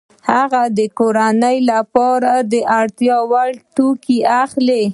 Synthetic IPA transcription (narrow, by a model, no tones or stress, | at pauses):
haɣad̪əkoɾanəjlapɑɾad̪əʔaɽt̪jɑwaɽʈukiaxle